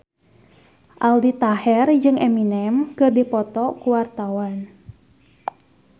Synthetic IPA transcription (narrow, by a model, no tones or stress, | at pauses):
ʔaldit̪ahɛrd͡ʒɨŋʔɛminɛmkɨrdipɔt̪ɔkuwart̪awan